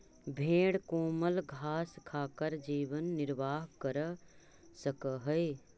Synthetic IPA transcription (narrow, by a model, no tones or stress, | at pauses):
bʱẽːɽkoːməlɡʱaːskʰaːkəɾd͡ʒiːʋənːɪɾʋaːɦkəɾ | səkɦəj